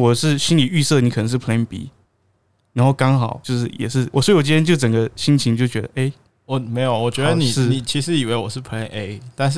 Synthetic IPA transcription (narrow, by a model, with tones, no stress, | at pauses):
wɔ˨˩ʂɻ̩˥˩ɕi˥nli˨˩y˥˧sɤ˥˩n˨kʰnə˧˦ŋʂɻ̩˥˩pʰle˥˨npḭ˧˥˦ | na˧˥nxo˥˩ʊkɑ˥ŋxɑ˨˩˦ʊt͡ɕjo˥˧ʊʂ̬ɻ̩˥˩jɛ̰˨˩ʂɻ̩˥˩wɔ̰˨˩swt͡ɕ̬ɻtʰjt͡ɕjo˥˩ʊʈ͡ʂə˨˩ŋɡə˦ɕi˦˥nt͡ɕʰi˧˦ŋt͡ɕjo˥˩ʊt͡ɕɥɛ˧˥d̪ə˧ʔe˥˩ɪ | wɔ˨˩me˧˥ɪjo˨˩wɔ˨˩t͡ɕɥɛ˦˥də˧ni˨ʂɻ̩˥˩i˨˩t͡ɕʰi˧˥ʂɻ̩˧˥i˨˩we˥ɪwɔ˨˩ʂɻ̩˥˩pʰe˥ne˥˩ɪt̪a˥˧nʂ